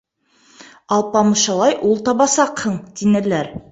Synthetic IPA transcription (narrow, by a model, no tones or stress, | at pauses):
ɑlˠpɑmɤ̆ʃɑlˠɑjʔulˠt̪ɑbɑsɑqhɤɴt̪inɘ̆læɾ